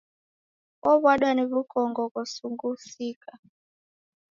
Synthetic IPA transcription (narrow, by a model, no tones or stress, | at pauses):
ɔβwaɗwaniβukɔŋɡɔkɔsuŋɡusika